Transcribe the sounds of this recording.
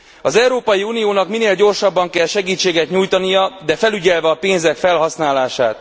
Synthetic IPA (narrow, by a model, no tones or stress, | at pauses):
ɒzɛwɾoːpɒjiuːnijoːnɒkmineːlɟo̞rʃɒbːɒŋkɛlʃɛɡiːt͡ʃːeːɡɛt̪ɲuːjt̪ɒnijɒd̪ɛfɛlyɟɛlvɛɒpeːnzɛkfɛlɦɒsnaːlaːʃaːt̪